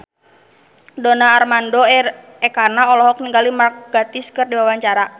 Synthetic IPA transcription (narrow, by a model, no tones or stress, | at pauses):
donaːrmandɔ | ɛkanaɔlɔɦɔk̚niŋɡalimark̚ɡ̥at̪iskɨrdiwawaɲt͡ʃaɾa